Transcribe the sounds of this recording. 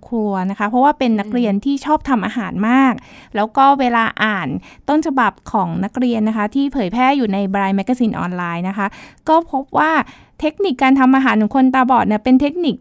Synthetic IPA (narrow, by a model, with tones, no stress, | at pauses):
kʰu˧ɐna˦˥kʰa˦˥pʰɾɔ˦˥waː˥˩pe˧nːa˦˥k̚ɾi˧ənt̪ʰiː˥˩t͡ɕʰɔː˥˩p̚t̪ʰa˧mʔaː˧ɦaː˩˦nmaː˥˩k̚lɛː˦˥wkɔː˥˩weː˧laː˧ʔaː˨˩nt̪o˥˩nt͡ɕʰa˧ba˨˩p̚kʰɔː˩˦ŋna˦˥k̚ɾi˧ənːa˦˥kʰa˦˥t̪ʰiː˥˩pʰɤː˨˩˦jpʰɛː˥˩juː˨˩na˧jbɾaː˧jmɛ˦˥kːa˧si˧nʔɔ̰ː˧nlaː˧jna˦˥kʰa˦˥kɔː˥˩pʰo˦˥p̚waː˥˩ | t̪ʰe˦˥k̚ni˨˩kːaː˧nt̪ʰa˧mʔaː˧ɦaː˩˦nːɯ˩˦ŋkʰo˧nt̪aː˧bɔː˨˩t̪̚ni˧˥˩ɐpe˧nt̪ʰe˦˥k̚ni˨˩k̚